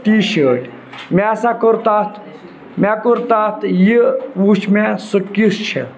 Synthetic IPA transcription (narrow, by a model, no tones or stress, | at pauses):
t̪iːʃəːʈʰʲ | maːsakoɾt̪at̪ʰ | maːkuɾt̪aːt̪ʰjiuːt͡ʃmɛsɨkist͡ʃʰḛ